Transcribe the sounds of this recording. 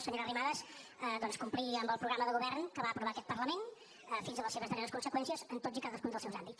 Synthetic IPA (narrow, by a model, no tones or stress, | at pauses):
səɲoɾərimaðəsəd̪ɔnskumpliəmbəlˠpɾuɣɾaməðəɣuβɛɾnkəβaəpɾuβakɛt̪̚pərləmen | əfinzðələseβəzðəɾeɾəskunsəkwɛnsiəzənt̪otzikaðəskunzðəlˠsɛwzambit